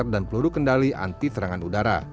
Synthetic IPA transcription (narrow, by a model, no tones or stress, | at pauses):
rdanpəluɾukəndaliʔa̰nt̪it̪əɾaŋanudaɾa̰